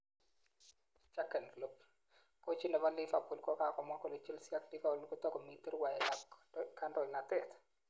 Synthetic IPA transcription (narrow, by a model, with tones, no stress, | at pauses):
t͡ʃa˦kːɛ˨nklo˦p | kɔ˦t͡ʃi˦nɔ˨ba˦lɪ˦fa˨pu˨lkɔ˦ka˨kɔ˨ma˦kɔ˦˨lɔ˨t͡ʃi˦lsja˦k̚di˦ka˦˨lkɔ˦tɔ˦kɔ˨mi˦ti˦ɾwa˨jɛ˨la˨ka˦ndɔ˨jna˨tɛt